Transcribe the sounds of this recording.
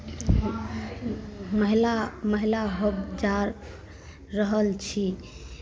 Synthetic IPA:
məɦilaməɦilaɦobd͡ʒaɾː | əɦəlt͡ʃʰi

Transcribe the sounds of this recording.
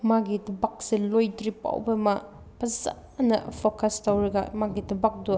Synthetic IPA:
maɡidɐbak̚silojdɾipa̰wbɐma | pʰɐza | nɐ̰pʰokɐstɐwɾɐɡɐmaɡidɐbak̚du

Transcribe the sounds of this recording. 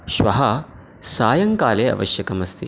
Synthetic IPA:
ʃʋɐɦɐ | saːjɐŋkaːleːɐ̰ʋɐ̰ʃjɐkɐmɐst̪ʰi

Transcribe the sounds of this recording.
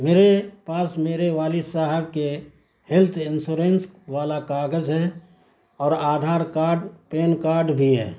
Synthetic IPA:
meːɾepaːsmeːɾeʋaːlisaɦəb̚ke | hɪlt̪ʰɪnsuːɾẽːnsʋaːlakaːɡəd͡ʒɦɛː | ɔːɾaːd̪ʱaːɾkaːɖpeːnkaːɾɖbʱiɦɛ̰ː

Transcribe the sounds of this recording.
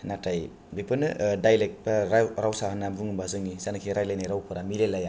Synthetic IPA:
nataj | bipʰɯnɯdajlek̚t̚paɾɾawsaɦanabuŋɯmbazɯŋizanɯkʰiɾajlajnaɾawpʰɯɾamilelaja

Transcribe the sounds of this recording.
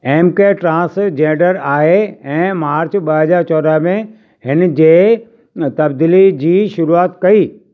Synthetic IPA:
eːmkeʈɾãːsd͡ʑẽːɖəɾaːɦeɛ̃ːmaːɾt͡ɕɓəɦəzaːɾt͡ɕɔːɾəɦmẽ | hɪnd͡ʑeː | t̪ɐbd̪iːlid͡ʑiːʃʊɾuaːt̪kɐiː

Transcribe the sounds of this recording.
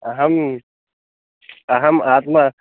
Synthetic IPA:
ɐɦɐm | ɐɦɐmaːt̪ma

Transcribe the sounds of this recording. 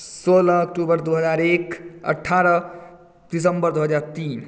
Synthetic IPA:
solːk̚ʈubəɾd̪uɦəd͡zaːɾekə̰ʈʰːaɾʌ | d̪̥isəmbəɾd̪uɦəd͡zaɾt̪iːn

